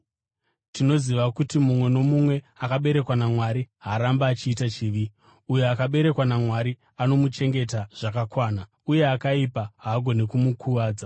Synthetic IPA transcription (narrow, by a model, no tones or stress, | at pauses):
tino̞ziʋakutimumwe̞no̞mumwe̞ | akaɓe̞ɾe̞kwanamwaɾiɦaɾambaːt͡ʃiːtat͡ʃiːʋi | ujeakaɓe̞ɾe̞kwanamwaɾi | ano̞mut͡ʃe̞ŋɡe̞taʐ̥akakwaːna | uje̞akaipaɦaːɡʱo̞nekumukʰuʋaːd͡za